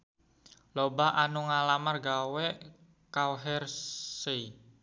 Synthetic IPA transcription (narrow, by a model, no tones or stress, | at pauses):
lɔbaʔanuŋalamarɡawɛʔ | kawɦɛrse